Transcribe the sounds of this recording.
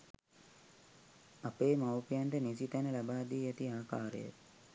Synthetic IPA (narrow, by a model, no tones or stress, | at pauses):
apeːmawpijaɳʈənisit̪ænəlabaːd̪iːæt̪iaːkaːɾə̰ja̰